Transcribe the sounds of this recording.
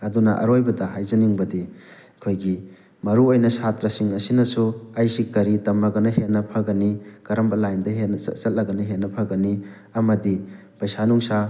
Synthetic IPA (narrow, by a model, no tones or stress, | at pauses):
ɐdunɐʔɐ̰ɾojbɐdɐɦajzɐniŋbɐdi | ɐkʰojɡi | mɐɾuojnɐsatɾɐsiŋɐsinɐsuɐjsikɐɾitɐmɐɡɐnɐɦenːɐpʰɐɡɐnikɐɾɐmbɐlajndɐɦenɐɐ̰t͡ʃɐt̚lɐɡɐnɐɦenːɐpʰɐɡɐni | ɐmɐdi | pɐjsanuŋsa